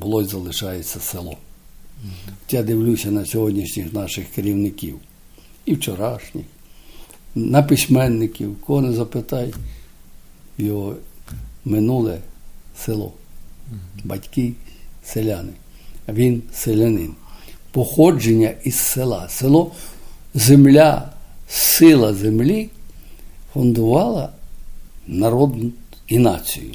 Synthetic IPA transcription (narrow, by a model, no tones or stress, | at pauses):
bʊlˠɔjzɐlˠɪʃɑjet͡sʲːɐselˠɔ̰ | t̪jad̪ɪwlʲusʲɐnɐsʲɔɦɔdʲnʲiʃnʲixnɑʃɪxkeɾʲiwnɪkʲḭw | iwt͡ʃɔɾɑʃnʲix | nɐpɪsʲmɛnːɪkʲiwkɔɔnɪzɐpɪt̪ɑj | wjɔɦɔ | mɪnulˠɛselˠɔ̰ | bɐtʲkɪselʲanɪ | ʋʲinselʲenɪ̰npɔxɔd͡ʒenʲːɐisselˠɑ̰selˠɔ | zemlʲasɪlˠɐzemlʲi | fʊnd̪ʊʋɑlˠɐ | nɐɾɔd̪nʊ | inɑ̰t͡sʲḭjʊ̰